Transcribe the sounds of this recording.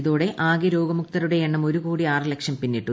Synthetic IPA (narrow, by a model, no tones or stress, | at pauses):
ðoːɽeʔaːɡɐɾo̞ːɡɐmuk̚t̪ɐɾuɽe̞eɳːɐmo̞ɾukuːɽiaːrɨlekʂɐmpinːiʈːu